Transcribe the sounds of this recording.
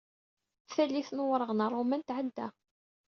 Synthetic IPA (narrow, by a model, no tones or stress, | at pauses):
θælːiθnwɾˤəʁnərˤːomænt̪ʕəd̪ːæ̰